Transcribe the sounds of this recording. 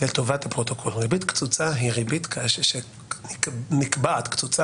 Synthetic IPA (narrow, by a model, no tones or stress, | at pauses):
et̪ovatapʁot̪okʰolʁibit̪kt͡sut͡saɦiʁibit̪kʰaʃeʃe | nikbaːt̪kt͡sut͡sa